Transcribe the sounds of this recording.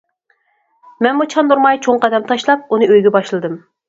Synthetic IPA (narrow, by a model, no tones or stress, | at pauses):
mɛnmut͡ʃʰɑnd̪uɾmɑjt͡ʃʰoŋqɑd̪ɛmt̪ʰɑʃlˠɑp̚unɨøjɡʲɛbɑʃlˠɨd̪ɨm